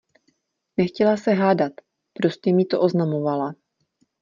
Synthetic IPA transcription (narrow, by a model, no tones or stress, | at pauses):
nɛxcɛlasɛɦaːdat̪ | pɾo̞scɛmɪt̪o̞ʔo̞znamo̞vala